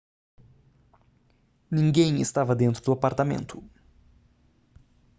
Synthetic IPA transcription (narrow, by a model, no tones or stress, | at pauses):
nĩŋɡẽj̃ɪ̰st̪avɐd̪ẽnt̪ɾʊd̪ʊapaɾt̪amḛ̃nt̪ʰʊ